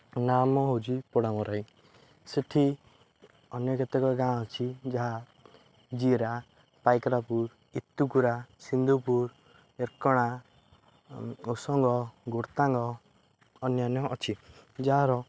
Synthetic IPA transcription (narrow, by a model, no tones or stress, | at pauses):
namɔɦod͡ʒipɔɽamɔɾaĩ | seʈʰi | ɔnjɔket̪ɔkɔɡãɔ̃ɔt͡ʃʰid͡ʒaɦa | d͡ʒiɾa | pajkɾapuɾ | it̪ːukuɾasind̪upuɾ | eɾkɔɽ̃a | osɔŋɡɔɡoɾt̪aŋɡɔː | njanjɔʔːt͡ʃʰid͡ʒaɦaɾɔ